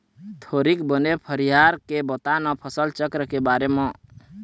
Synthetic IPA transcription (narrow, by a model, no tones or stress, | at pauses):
t̪ʰoɾikbənepʰəɾijaɾkebət̪anɔpʰəsəlt͡ʃəkɾəkebaɾemɔ̃